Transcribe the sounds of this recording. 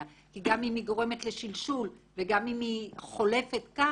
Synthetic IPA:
a | kiɡamimiɡo̞ʁe̞me̞t̪le̞ʃilʃulveɡamimiχo̞le̞fet̪ka

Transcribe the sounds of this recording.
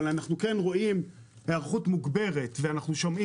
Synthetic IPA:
lanaχnuke̞nʁo̞im | heaʁχutmuɡbe̞ʁe̞tveanaχnuʃo̞mʔi

